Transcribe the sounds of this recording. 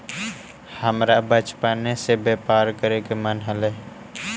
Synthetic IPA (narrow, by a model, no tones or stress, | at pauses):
həmɾabət͡ʃpanesebeːpaːɾkəɾekemənɦəlɛː